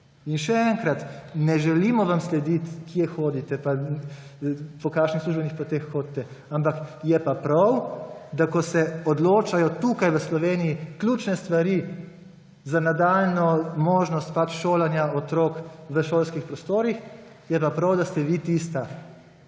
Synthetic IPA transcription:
inʃɛɛŋkɾat̪nɛʒɛliːmɔʋamslɛd̪it̪kiɛxoːd̪it̪ɛpa | pɔkaːkʃnixsluʒbnixpɔt̪exːoːd̪̚t̪ɛ | ampakjɛpapɾawd̪akɔsɛɔd̪loːt͡ʃajɔt̪uːkajʋəslɔʋeːnijiklʲut͡ʃnɛst̪ʋaɾi | zanad̪aːlnɔmoːʒnɔst̪̚pat͡ʃʃoːlanjaɔt̪ɾoːkʋəʃoːlskixpɾɔst̪oːɾix | jɛpapɾawd̪ast̪ɛʋit̪ist̪a

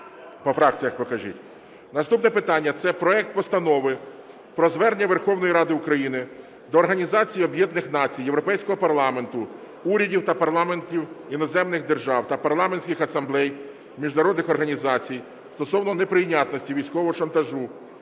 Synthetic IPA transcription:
pɔfɾɑkt͡sʲijɐkpɔkɐʒḭtʲ | nɐst̪upnɛpɪt̪ɑnʲːɐt̪sɛpɾɔɛk̚t̪̚pɔst̪ɐnɔʋɪ | pɾɔzʋɛrnʲɐʋerxɔwnɔjiɾɑd̪ɪʊkɾɐjinɪ | d̪ɔːrɦɐnʲizɑt͡sʲijɔbjɛd̪nɪxn̪ɑt͡sʲijːewɾɔpɛjsʲkɔɦɔpɐrlˠɑme̞nt̪ʊ | uɾʲɐdʲiwt̪ɐpɐɾlˠɑment̪ʲiwinɔzɛmnɪxd̪erʒɑwt̪ɐpɐrlˠɑmenʲsʲkʲɪxɐsɐmblˠɛj | mʲiʒnɐɾɔd̪nɪxɔrɦɐnʲizɑt͡sʲij | st̪ɔsɔwnɔnepɾɪjnʲat̪nɔsʲtʲiʋʲijsʲkɔʋɔɦɔʃɐnt̪ɐʒu

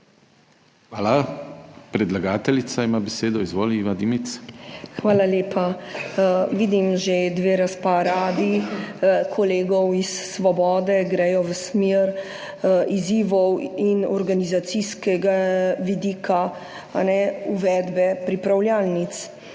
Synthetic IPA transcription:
xʋaːla | pɾɛd̪laɡaːt̪ɛlit̪saimabeseːd̪ɔizʋoːliiʋad̪imit̪sxʋaːlaleːpʰa | ʋiːd̪imʒed̪ʋeːɾaspaɾaːd̪i | kʰɔleːɡɔwisːʋɔbɔːd̪ɛɡɾɛjɔʋəsmeɾ | iziːʋɔwinɔɾɡanizat̪siskɛɡaʋid̪iːkʰa | a̰nɛuʋɛːd̪bɛpɾipɾawljaːlnit̪s

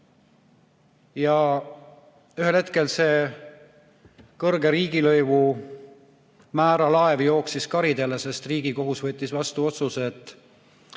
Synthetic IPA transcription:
jɑ | yɦe̞lhe̞t̪ke̞lse̞ː | kɤrɡe̞ɾiːɡ̥ilɤjvu | mæːɾɑlɑe̞vjo̞ːksiskɑɾid̪elese̞st̪riːɡ̥iko̞ɦusvɤt̪ʲːˑisvɑst̪uo̞t̪suse̞t̪ːˑ

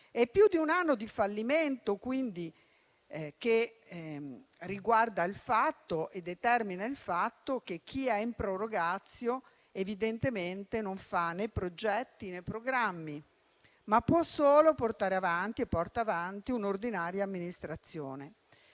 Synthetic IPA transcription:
ɛpːjud̪iunanːod̪ifalːiment̪okwind̪i | ke | rːiɡward̪ailfat̪ːoʔed̪ːet̪ɛrminailfat̪ːok̟ek̟ːiɛimpɾoroɡat̪sːjo | evid̪ent̪ement̪enoɱfanepɾod͡ʒɛt̪ːinepːɾoɡɾamːi | mapːwɔsoːloport̪aːɾeavant̪iepːɔrt̪aːvant̪iunord̪inaːɾjaːmːinist̪ɾat̪sːjoːne

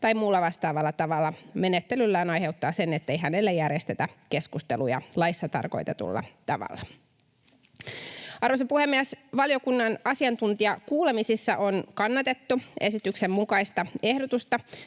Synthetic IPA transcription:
t̪ɑjmuːlːɑʋɑst̪ɑːʋɑlːɑt̪ɑʋɑlːɑme̞net̪ːelylːæːnɑjhe̞wt̪ːɑːse̞ne̞t̪ːe̞jɦænelːejærjest̪e̞t̪æke̞skust̪elujɑ̰lɑjsːɑt̪ɑ̰rko̞̰jt̪ɑt̪ṵlːɑ̰t̪ɑʋɑ̰lːɑ | ɑrosepuhemːiæsʋɑljokunːɑnɑsiɑnt̪unt̪iɑkuːle̞misisːɑʔo̞nkɑnːɑt̪e̞t̪ːue̞sit̪yksemmukɑist̪ɑe̞hdot̪ust̪ɑ

